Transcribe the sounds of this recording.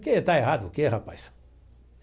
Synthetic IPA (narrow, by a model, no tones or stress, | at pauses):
keet̪aeɦad̪ʊʊkeɦapajs